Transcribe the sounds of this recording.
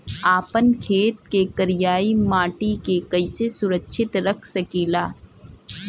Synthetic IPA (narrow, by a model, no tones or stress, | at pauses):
aːpənkʰeːt̪̚kekɐɾɪjaːimaːʈikekɐɪsesʊɾəkʃʰɪt̪ɾɐkʰsɐkiːlaː